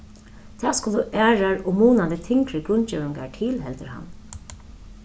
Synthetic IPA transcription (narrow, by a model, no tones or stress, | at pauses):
t̪ʰɛːskuːld̪uʔæːɹaɹɔmuːnad̪ɪt̪ʰɪŋkɾəɡʊnt͡ʃɛːwɪŋɡa̰tʰiːlɦɛlt̪əɾha̰n